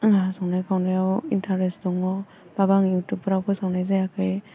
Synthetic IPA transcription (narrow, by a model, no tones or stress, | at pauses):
ŋasɔwnajkʰawnajawintʰaɾesdɔŋɔ | b̥abaŋutupɯɾawkʰɯsawnajzajakʰɯj